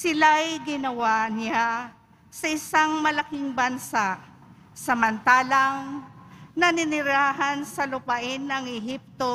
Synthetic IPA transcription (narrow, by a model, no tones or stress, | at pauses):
sɪlajɡɪnɐwaʔnɪa | sɐʔɪsaŋmɐlɐkɪŋbɐnsaʔ | sɐmɐnt̪aːlɐŋ | nɐnɪnɪɾaːɦɐnsɐlʊpɐʔɪnɐŋɛɦip̚t̪o̞